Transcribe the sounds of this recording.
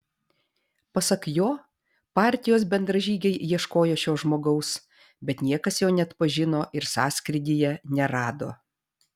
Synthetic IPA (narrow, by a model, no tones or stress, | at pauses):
pɐsɐkjoː | pɑːˑɾʲt̪ʲɪjoːsbʲɛnd̪ɾɐʒʲiːɡʲɛɪjiɛʃkoːjoːʃʲoːʒmoːɡɐʊs | bʲɛt̪nʲiɛkɐsjoːnʲɛɐt̪pɐʒʲɪnoːʔɪɾsɑːsʲkɾʲɪd̪ʲiːjɛnʲɛɾɑːd̪o̰ː